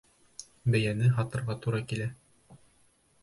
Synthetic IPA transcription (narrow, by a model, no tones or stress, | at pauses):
bæjænɘɦɑt̪ɤ̆ɾʁɑt̪uɾɑkilæ